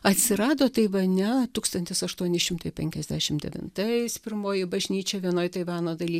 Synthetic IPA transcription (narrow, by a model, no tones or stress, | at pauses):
ɐt̪ʲsʲɪɾɑːd̪oːt̪ɐɪʋɐnʲɛt̪uːkst̪ɐnʲt̪ʲɪsɐʃt̪uɔnʲɪʃʲɪmt̪ɐɪpʲɛŋʲkʲɛzʲdʲæːʃʲɪmdʲɛ̰ʋʲɪ̰nt̪ɐɪspʲɪɾmoːjɪbɐʒʲnʲiːt͡ʃʲoːʋʲiɛnoːjt̪ɐɪʋɑːnoːd̪ɐlʲiː